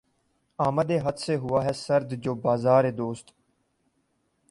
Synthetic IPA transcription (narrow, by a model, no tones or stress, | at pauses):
aːməd̪eːɦət̪seɦʊaːɦɛːsəɾd̪d͡ʒoːbaːzaːɾeːd̪oːst̪